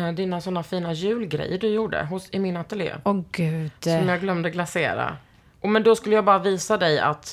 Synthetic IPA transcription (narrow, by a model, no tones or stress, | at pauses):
d̪ɪnasɔnːafiːnajʉ̟ːlɡɾɛ̰jːəɖɵjuːɖə̰ɦʊsɪmɪnat̪əljḛːɔɡʉ̥sɔmjaːɡlœmd̪əɡlasḛːɾa̰ | ʔɔmɛnd̪ɔskɵlːəjaːbɑːɾaviːsad̪ɛja̰t̪